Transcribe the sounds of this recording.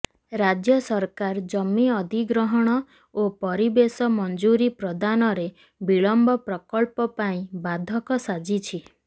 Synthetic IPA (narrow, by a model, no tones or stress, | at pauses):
ɾad͡ʒjɔsɔɾkaɾd͡ʒɔmːiɔd̪ʱiɡɾɔɦɔɽ̃ɔ | opɔɾibesɔmɔnd͡ʒuɾipɾɔd̪anɔɾe | biɭɔmbɔpɾɔkɔɭpɔpaĩbad̪ʱɔkɔsad͡ʒit͡ʃʰi